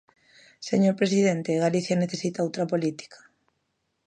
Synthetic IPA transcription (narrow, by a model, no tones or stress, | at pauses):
seɲoɾpɾesiðent̪eːɣaliθjɐneθesit̪aowt̪ɾɐpolit̪i̥kḁ